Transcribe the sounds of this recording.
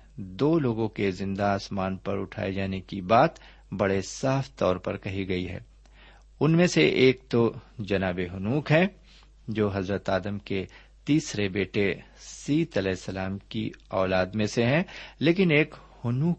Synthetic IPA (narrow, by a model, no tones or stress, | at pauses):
d̪oːloːɡõkezɪ̃nd̪aaːsmaːnpɐɾʊ̰ʈʰa̰ːed͡ʒaːnekibaːt̪ | bɐɽesaːfʰt̪ɔːɾpɐ̰ɾkɐɦiɡɐiɦɛ̰ː | ʊnmẽseʔeːk̚t̪od͡ʒɐnaːbeɦʊnuːkɦɛ̃ | d͡ʒoːɦɐzɾət̪aːd̪əmke | t̪iːsɾebeːʈesiːt̪ɐlɛːɪsːɐlaːmkḭɔːlaːd̪mẽseɦɛ̃leːkɪneːkhʊnuːk